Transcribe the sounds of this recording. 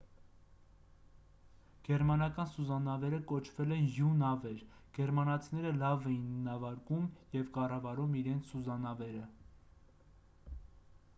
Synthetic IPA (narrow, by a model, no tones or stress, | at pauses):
ɡ̥ɛɾmɑnɑkɑnsuzɑnɑvɛɾəkɔt͡ʃʰvɛlɛnjunɑvɛɾɡ̥ɛɾmɑnɑt͡sʰnɛɾəlɑvɛinːɑvɑɾkumjɛvkɑrɑvɑɾumiɾɛnt͡sʰsuzɑnɑvɛɾə